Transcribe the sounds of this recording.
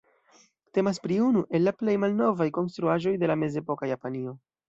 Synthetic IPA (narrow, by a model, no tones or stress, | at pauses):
te̞mas̬pɾiunuʔe̞lːaple̞jmalno̞vajko̞ns̬t̪ɾuaʒo̞jde̞lame̞ze̞po̞kajapanio